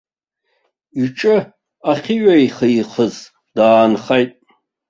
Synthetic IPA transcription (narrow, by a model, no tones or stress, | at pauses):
iʈ͡ʂʼɨ | aχʲiɥʷaiχəχəz | d̥aːnχajtʼ